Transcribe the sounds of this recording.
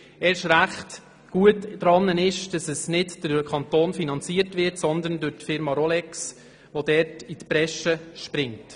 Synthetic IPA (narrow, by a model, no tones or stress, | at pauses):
ɛːɾɪʃɾæχt | ɡ̥uətdɾɑnːənɪʃd̥ɑsəsnɪdd̥əkʰɑnt̪oːnfinɑnt͡siəɾtvɪɾtsɔnd̪əndʉɾtfɪɾmɑɾɔlɛks | ʋodɛɾtitpɾɛʃəʃpɾɪŋt